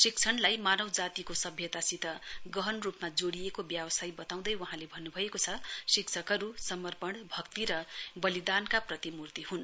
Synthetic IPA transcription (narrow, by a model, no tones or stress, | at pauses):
sik̚t͡sʰʌɳlajmanʌwd͡zat̪ikosʌbʱjʌt̪asit̪ʌɡʌɦʌnrupmad͡zoɽijekobjawʌsajbʌt̪aw̃d̪ʌjwaɦãlebʱʌnːubʱʌekot͡sʰʌsikt͡sʰʌkʌɾusʌmʌrpʌɽ̃bʱʌkt̪iɾʌbʌlid̪ankaprʌt̪imurt̪iɦun